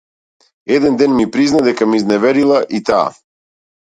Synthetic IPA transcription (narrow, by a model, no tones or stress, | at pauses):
ɛd̪ɛnd̪ɛnmipɾiznad̪ɛkamiznɛvɛɾilˠaʔit̪a̰ː